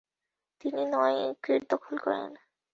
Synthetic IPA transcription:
t̪ininɔekɾiɾd̪ɔkʰolkɔ̰ɾḛn

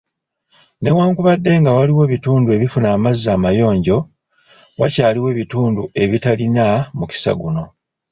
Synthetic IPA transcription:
ne̞waːŋkuβadːe̞ŋɡawaliwe̞ːβituːndue̞βifunaːmazːaːmajo̞ːɲɟo̞ | wacaːliwe̞ːβituːndue̞βitalinamuci̥sa̰ɡuno̞

